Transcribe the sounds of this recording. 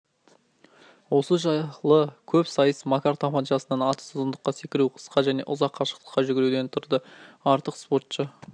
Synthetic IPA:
wo̞səʒɑlˠəkʲʰɵpsɑjəsmakaɾt̪ʰapɑnʒɑsənɑnɑt̪ə̥sʊzənd̪əqːɑsekʲɪɾuqʰə̥sqɑʒæne̞̰ʔʊzɑqʰːɑʃə̥qt̪ə̥qːɑʒʏɡʲɪɾewd̪e̞nt̪ʰʊɾd̪əɑɾt̪əqspo̞rt̪ʃə

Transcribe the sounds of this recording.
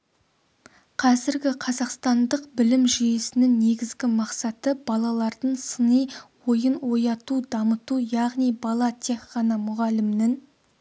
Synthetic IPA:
qʰɑzɪɾɡʲɪqʰɑzɑqst̪ɑnd̪əqbɪlɪmʒyjesɪnɪŋne̞ɡʲɪzɡʲɪmɑqsɑt̪əb̥ɑlˠɑlˠɑɾd̪əɴsənəjwo̞jənwo̞jɑt̪ud̪ɑmət̪ujɑʁnijbɑlˠɑt̪ʰe̞kqɑnɑmʊʁɑlɪmnɪŋ

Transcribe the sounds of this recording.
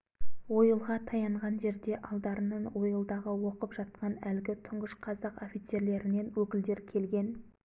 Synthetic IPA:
wo̞jəlˠʁɑt̪ʰɑjɑɴʁɑnʒe̞ɾd̪e̞ʔɑlˠd̪ɑɾənəɴwo̞jəlˠd̪ɑʁəwo̞qəpʒ̥ɑt̪̚qɑnælɡʲɪt̪ʰʊɴʁəʃqʰɑzɑqo̞fit̪se̞ɾle̞ɾɪne̞nwɵkʲɪld̪e̞ɾkʲʰe̞lɡʲe̞n

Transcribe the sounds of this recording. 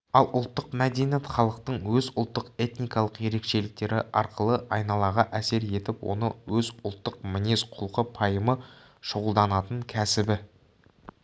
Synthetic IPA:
ɑlˠʊlˠt̪ːəqmæd̪enjet̪χɑlˠəq̚t̪əɴwɵzʊlˠt̪ːəqe̞t̪nijkɑlˠəqje̞ɾe̞kʃe̞lɪk̚t̪e̞ɾɪʔɑ̰ɾqəlˠəʔɑjnɑlˠɑʁɑʔæse̞ɾje̞t̪ɪpwo̞̰nəwɵzʊlˠt̪ːəqmɪne̞sqʰʊlˠqəpʰɑjəmə | ʃʊʁəlˠd̪ɑnɑt̪əɴkʲʰæsɪbɪ

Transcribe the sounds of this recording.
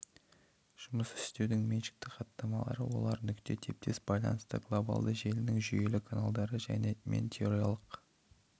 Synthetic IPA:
ʒ̥ʊməsɪɪ̥st̪e̞wd̪ɪŋmenʃɪ̥k̚t̪ɪqʰɑt̪ːɑmɑlˠɑ̰ɾəwo̞̰lˠɑɾnʏkt̪e̞t̪ʰe̞p̚t̪ʰe̞sbɑjlˠɑ̰nəst̪ə̰ɡlˠo̞ba̰lˠd̪əʒe̞lɪnɪŋʒyje̞lɪkʰanalˠd̪ɑɾəʒæ̰ne̞mḛnt̪ʲʰeoɾijalˠəq

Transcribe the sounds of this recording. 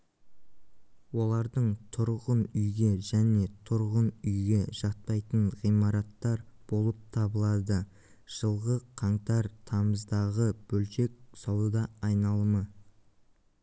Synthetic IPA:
wo̞lˠɑɾd̪əɴt̪ʰʊɾʁənʏjɡʲe̞ʒæne̞t̪ʰʊɾʁənʏjɡʲe̞ʒ̥ɑt̪̚pɑjt̪əɴʁijmɑɾɑt̪ːɑɾb̥o̞lˠəp̚t̪ʰɑbəlˠɑd̪ə | ʒ̥əlˠʁəqʰɑɴt̪ɑɾt̪ʰɑməzd̪ɑʁəb̥ɵlʃe̞k̚sɑwəd̪ɑːjnɑlˠəmə

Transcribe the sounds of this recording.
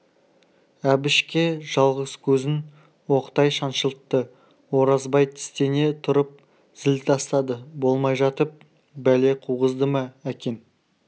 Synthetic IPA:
æbɪʃkʲe̞ʒɑlˠʁəz̥kʲʰɵzɪn | wo̞qt̪ɑjʃɑnʃəlˠəq̚t̪ə | wo̞ɾɑzbɑjt̪ʰɪ̥st̪e̞ne̞t̪ʰʊɾəp̚ | z̥ɪlt̪ʰɑst̪ɑd̪əbo̞lˠmɑjʒɑt̪əp̚ | bæle̞qʰuʁəzd̪əmɑækʲe̞n

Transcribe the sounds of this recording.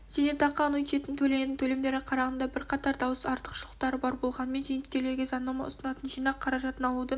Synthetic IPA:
ʒ̥enet̪ʰɑqːɑnut̪ʃet̪ɪnt̪ʰɵle̞neɪŋt̪ʰɵle̞md̪e̞ɾɪqʰɑɾɑʁənd̪ɑbɪɾqʰɑt̪ɑɾd̪ɑwəsɑɾt̪əqʃəlˠə̥qt̪ɑɾəbɑɾbo̞lˠʁɑnəme̞nzejnɪt̪̚ʲkʲe̞le̞ɾɡʲezɑnːɑmɑ̰ʊ̰sənɑt̪ənʒijnɑqʰːɑɾɑʒɑt̪ənɑlˠud̪ə

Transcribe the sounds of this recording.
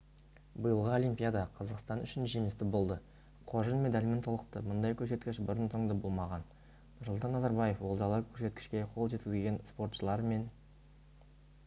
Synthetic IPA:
bəjəlˠʁəo̞lijmpʲijad̪ɑqʰɑzɑqst̪ɑnʏʃɪnʒemɪst̪ɪbo̞lˠd̪ə | qʰo̞ʒənme̞d̪alʲmɪnt̪ʰo̞lˠəqt̪əmʊnd̪ɑjkʲʰɵse̞t̪kʲɪʃbɪɾənt̪ʰo̞ɴd̪ɑbolˠmɑʁɑn | nʊɾslˠt̪ɑnːɑzɑɾbɑje̞fwo̞lˠd̪ɑlˠəkʲʰɵɾse̞t̪kʲɪ̥ʃkʲe̞qʰo̞lˠʒet̪kʲɪzlʲɡʲe̞nspo̞rt̪ʃəlˠɑɾme̞n

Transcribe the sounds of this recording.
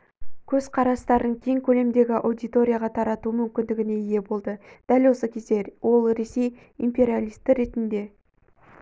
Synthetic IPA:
kʲʰɵzqʰɑɾɑst̪ɑɾd̪əɴkʲʰe̞ŋkʲʰɵle̞md̪e̞ɡʲɪʔawd̪ijt̪o̞ɾʲijaʁɑt̪ʰɑɾɑt̪umʏmkʲɪnd̪ɪɡʲɪne̞ije̞bo̞lˠd̪əd̪̥ælwo̞səkʲʰe̞zd̪e̞wo̞lˠɾe̞se̞j | impʲe̞ɾʲialʲˠijst̪ːɪɾe̞t̪ɪnd̪e̞

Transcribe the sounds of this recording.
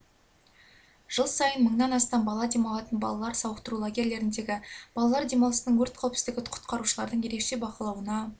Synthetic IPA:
ʒ̥əlˠsɑjənməɴnɑnɑst̪ɑmbɑlˠɑd̪e̞mɑlˠɑt̪ənbɑ̰lˠɑlˠɑɾsɑwəqt̪əɾulˠaɡʲe̞ɾle̞ɾɪnd̪e̞ɡʲɪb̥ɑlˠɑlˠɑɾd̪e̞mɑlˠəsənəɴwɵɾt̪̚kʲʰæwpsɪ̥st̪ɪɡʲɪqʰʊ̥t̪qɑɾuʃəlˠɑɾd̪əɴje̞ɾe̞kʃe̞bɑqəlˠɑwənɑ

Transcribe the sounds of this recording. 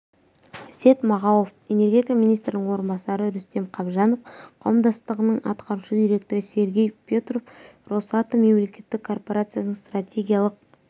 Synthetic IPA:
se̞t̪mɑʁɑwofe̞ne̞rɡʲe̞t̪ʲikamijnist̪ɾɪnɪŋwo̞ɾənbɑsɑɾəɾʏst̪e̞mqʰɑbʒɑnofqʰɑ̰wəmd̪ɑst̪əʁənəɴɑ̰t̪qɑɾuʃəd̪ijɾʲe̞k̚t̪o̞ɾəse̞ɾɡʲe̞jpʲet̪rofro̞sɑt̪əme̞mle̞kʲe̞t̪ːɪkʰːo̞rpo̞ɾat̪sɨjanəɴst̪rat̪ʲʰe̞ɡʲijalˠəq̚

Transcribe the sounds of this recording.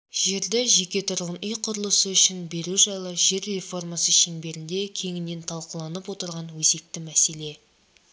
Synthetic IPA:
ʒe̞ɾd̪ɪʒe̞kʲe̞t̪ʰʊɾʁənʏjqʰʊɾəlˠəsəʏʃɪnbe̞ɾuʒɑjlˠəʒe̞ɾːe̞fo̞rmasəʃe̞ŋbe̞ɾɪnd̪e̞kʲʰe̞ŋɪnːe̞nt̪ʰɑlˠqəlˠɑnəpwo̞t̪əɾʁɑnwɵze̞k̚t̪ɪmæse̞le̞

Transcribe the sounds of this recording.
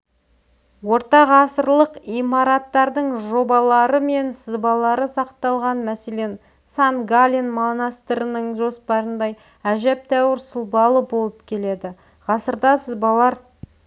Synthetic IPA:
wo̞ɾt̪ɑʁɑsəɾlˠəqijmɑɾɑt̪ːɑɾd̪əɴʒo̞bɑlˠɑɾəme̞nsəzbɑlˠɑɾəsɑqt̪ɑlˠʁɑnmæse̞le̞n | sanɡalʲinmonɑst̪ɾənəɴʒo̞spɑɾənd̪ɑj | æʒæp̚t̪æwɪɾsəlˠbɑlˠəbo̞lˠəpkʲʰe̞le̞d̪ɪ | ʁɑsəɾd̪ɑsəzbɑlˠɑɾ

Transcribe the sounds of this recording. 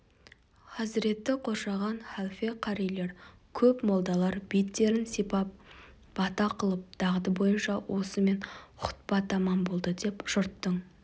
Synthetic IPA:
qʰɑzɪɾe̞t̪ːɪqʰo̞ɾʃɑʁɑnχalˠfe̞qʰɑɾijle̞ɾkʲʰɵpmolˠd̪ɑlˠɑɾbet̪ːe̞ɾɪnsipɑp̚ | b̥ɑt̪ɑqʰəlˠəp̚d̪̥ɑʁət̪əbo̞jənʃɑwʔo̞səme̞nqʰʊ̥t̪̚bɑt̪ɑmɑnbo̞lˠd̪əd̪e̞pʒ̥ʊɾt̪ːəɴ

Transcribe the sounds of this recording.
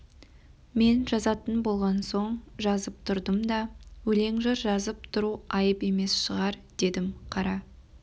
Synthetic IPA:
me̞nʒɑzɑt̪ənbo̞lˠʁɑnso̞ɴʒɑzəp̚t̪ʰʊɾd̪əmd̪ɑwɵle̞ŋʒɑɾʒɑzəp̚t̪ʰʊɾuɑjəpe̞me̞sʃəʁɑɾd̪̥e̞d̪ɪmqʰɑɾɑ

